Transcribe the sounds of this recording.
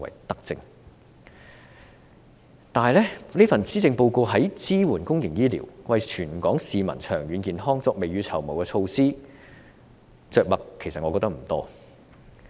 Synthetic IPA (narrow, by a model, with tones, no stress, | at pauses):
wɐ̰˨˩jt̪ɐ˥k̚t͡sɪ˧ŋ | t̪aː˨ɦɐ˨jlɛː˥liː˥fɐ˨˩nt͡siː˥t͡sɪ˧ŋpo˧wko˧wɦɐ˨˥jt͡siː˥wuː˨˩nkʊ˥ŋjɪ˨˩ŋjiː˥lḭ˨˩wwɐ˨jt͡ʃʰyː˨˩nkɔː˨˥ŋsiː˨mɐ˨˩nt͡ʃʰœː˨˩ŋjyː˨˧˥nkiː˨nɦɔː˥ŋt͡sɔː˨˧k̚me˨jɥyː˨˧t͡sʰɐ˨˩wmɐ˨˩wkɛ˧t͡sʰo˧wsiː˥ | t͡sœː˨k̚mɐ˨kʰːe˨˩jsɐ˨t̚ŋɔː˨˧kɔː˧t̪ɐ˥k̚m̩˨˩t̪ɔ̰ː˥